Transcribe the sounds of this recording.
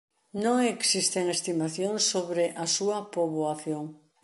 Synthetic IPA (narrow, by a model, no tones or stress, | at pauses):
nõŋeksist̪eŋest̪imaθjõŋsːoβɾɪʔasuɐpoβwaθjoŋ